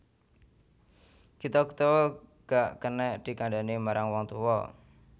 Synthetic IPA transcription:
kit̪ɔkə̥t̪ɔwɔɡ̥aʔkənɛʔd̪̥i̤kaɳɖanimaɾaŋwɔŋt̪uwɔ̰

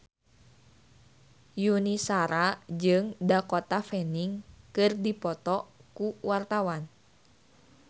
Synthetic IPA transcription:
junisaɾad͡ʒɨŋdakɔt̪afɛniŋkɨrdipɔt̪ɔkuwart̪awan

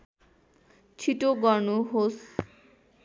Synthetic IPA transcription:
t͡ɕʰiʈoɡɔɾnuɦos

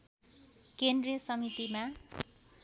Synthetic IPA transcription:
kend̪rijʌsʌmit̪ima

